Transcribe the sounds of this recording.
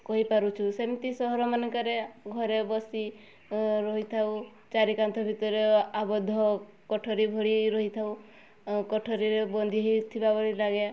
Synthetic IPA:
kɔɦipaɾut͡ʃʰusemit̪isɔɦɔɾɔmanekaɾeɡʱɔɾebɔsi | ɾɔɦit̪ʰaw | t͡ʃaɾikant̪ʰɔbʱit̪ɔɾeabɔd̪ʱːɔ | kɔʈʰɔɾibʱɔɭiɾɔɦit̪ʰau | kɔʈʰɔɾiɾebɔnd̪ʱiɦit̪ʰibabɔɭilaɡe

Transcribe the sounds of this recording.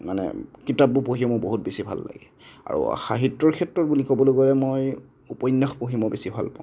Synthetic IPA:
manɛ̰kitap̚ːupoɦimɔboɦutbesibʱa̰lːa̰ɡɛ | a̰ɹṵxaɦitɹɔɹkʰɛtɹɔt̚bulikobɔlojkolɛmoj | upɔjnːaxpoɦimɔbesibʱa̰lpãʊ̃

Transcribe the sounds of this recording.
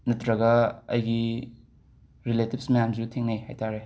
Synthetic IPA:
nɐtɾɐɡɐɐ̰jɡi | ɾiletib̚smɐjamzutʰeŋnejha̰jtʰaɾe

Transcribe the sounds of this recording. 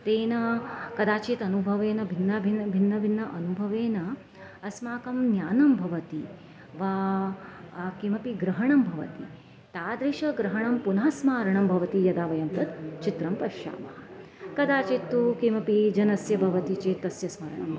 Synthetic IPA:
t̪eːnɐkɐd̪aːt͡ʃeːt̪ɐnubʱɐʋeːnɐbʱinːɐbʱinbʱinːɐbʱinːɐʔɐnubʱɐʋeːnɐ | ɐsmaːkɐmnjaːnɐmbʱɐʋɐt̪i | ʋaː | kimɐpiɡɾɐɦɐɳɐmbʱɐʋɐ̰t̪i | t̪aːd̪ɾiʃɐɡɾɐɦɐɳɐmpunɦɐsmaːɾɐɳɐmbʱɐʋɐt̪ijɐd̪aːʋɐjɐmt̪ɐt̪t͡ʃit̪ɾɐmpɐʃja̰ːmɐɦɐ | kɐd̪aːt͡ʃit̪ːukimɐpid͡ʒɐnɐsjɐbʱɐʋɐt̪it͡ʃeːt̪ːɐsjɐsmɐːɾɐɳɐm

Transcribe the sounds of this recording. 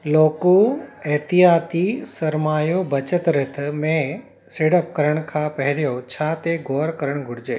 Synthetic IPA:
loːkoɛɦt̪ijaːt̪isɐɾmaːjobɐt͡ɕət̪ɾɪt̪ʰmẽ | seːɽəp̚kɐɾəɽ̃kʰãːpɐɦɪɾijot͡ɕʰaːt̪eɡʱoːɾkɐɾəɽ̃ɡʱʊɽɪd͡ʑeː

